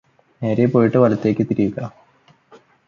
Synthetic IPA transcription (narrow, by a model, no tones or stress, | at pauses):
neːɾejpoːjiʈːɨʋɐlɐt̪ːe̞ːkʲːɨt̪iɾijuɣɐ